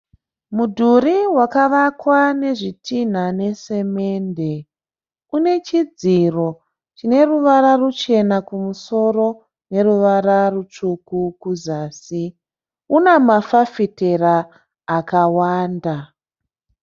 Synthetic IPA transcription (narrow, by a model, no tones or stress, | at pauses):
mudʱuɾiwakaʋakwane̞ʐitʰin̤ane̞se̞me̞nde̞ | une̞t͡ʃid͡ziro̞ | t͡ʃine̞ruʋaɾarut͡ʃe̞nakumuso̞ro̞ | ne̞ruʋaɾarut͡ʂukukuzaːsi | unemafafite̞raː | kawaːnda